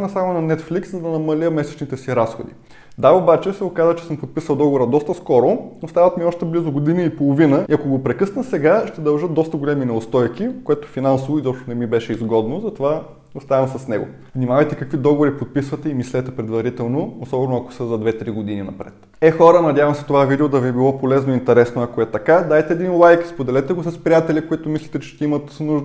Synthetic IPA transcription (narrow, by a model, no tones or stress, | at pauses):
nɐsamonɐnɛt̪flikszɐd̪ɐnɐmɐlʲəmɛsɛ̥t͡ʃnit̪ɛsiɾasxod̪ḭ | d̪aobat͡ʃɛsɛokazvət͡ʃɛ̥sɤmpot̪̚pisəlˠd̪ɔɡovoɾəd̪ɔst̪əskɔɾonost̪avət̪miɔʃt̪ɛblizʊɡod̪iniipolˠovinəiɐkoɡopɾɛkɤsnəsɛɡaʃt̪ɛd̪ɐlˠʒɤt̪̚d̪ɔst̪əɡolʲɛminɛʊst̪ɔjkikoɛt̪o̥finansovoizɔpʃt̪onɛmibɛʃɛizɡɔd̪nozɐt̪ova | ost̪avɐmsɐsnɛɡo̰ | vnimavɐjt̪ɛkɐkvid̪ɔɡovoɾipot̪̚pisvɐt̪ɛimislɛt̪ɛpɾɛd̪vɐɾit̪ɛlˠnoosɔbɛnʊɐko̥səzɐd̪vɛt̪ɾiɡod̪ininɐ̰pɾɛ̰t̪ | ɛxɔɾənɐd̪ʲjavɐmsɛ̥t̪ovavid̪ɛod̪ɐviɛbilˠɔpolɛznoint̪ɛɾɛsnoɐkoɛt̪ɐkad̪ajt̪ɛːd̪inlˠajkspod̪ɛlɛt̪ɛɡosɐspɾʲijat̪ɛlʲikoit̪ʊmislʲit̪ɛt͡ʃɛ̥ʃt̪ɛimət̪nuʒd̪ə